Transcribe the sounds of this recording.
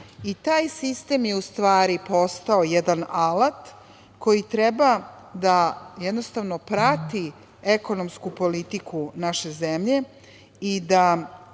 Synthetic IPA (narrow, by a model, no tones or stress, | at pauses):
it̪aːjsist̪emjeust̪ʋaːɾipo̞st̪aojed̪analat̪ | ko̞jit̪ɾeba | d̪ajed̪nost̪aʋnopɾat̪i | eko̞nomskupo̞lit̪ikʰunaʃe̞zemʎe̞ | id̪a